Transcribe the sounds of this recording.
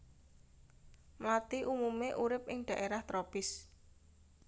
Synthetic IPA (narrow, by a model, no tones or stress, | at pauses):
mlat̪iʔumumeʔuɾɪp̚ʔɪŋɖ̪̥ä̤ʔeɾaht̪ɾopɪs